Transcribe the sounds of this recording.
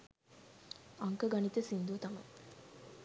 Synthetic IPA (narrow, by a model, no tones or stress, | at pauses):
ɐŋkəɡanit̪əsind̪ut̪ɐmɐ̰j